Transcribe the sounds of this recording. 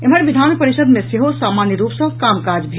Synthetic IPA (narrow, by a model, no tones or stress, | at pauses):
emənʋid̪ʱaːnpəɾisəd̪mẽseɦosaːmanjəɾuːpsə̃kaːmkad͡ʒbʱ